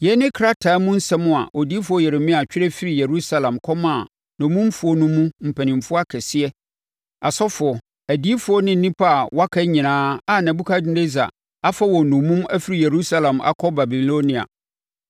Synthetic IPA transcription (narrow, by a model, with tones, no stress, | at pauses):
jɛ˦nɪ̃˦kʰɾa˦tʰaː˨˦mʊ̃˦n̩˦sɛ˦mʊ̃˦a̰˨ʔo˨di˦fʊ˨˦ɔ˦jɛ˨ɾe˨mɪ̃˦a˨t͡ɕᶣɪ˦ɾɛ˦fi˦ɾi˨je˨ɾu˦sa˦lã˨mkʰɔ˦mã˦˨ | nʊ̃˨mũ˦fʊ˦ɔ˦nũ˦mũ˦m̩˨pʰæ̃˨nɪ̃˨mfʊ˦a˦kʰɛ˨sɪ˦ɛ˦ | a˨sɔ˦fʊ˨ɔ˨ | æ˨di˦fʊ˨˦ɔ˦nɪ̃˦n̩ː˦ĩ˦pʰa˦a˨wa˦kʰa˦ɲĩ˨nãː˦a˨nã˨bu˦kʰa˦dɪ˦de˦za̰˨ | a˦fa˦wɔ̃˨nʊ̃˨mũ˦mæ˦fi˦ɾi˨je˨ɾu˦sa˦lã˨ma̰˨kʰɔ˦ba˨bi˨lo˦nĩ˨a̰˨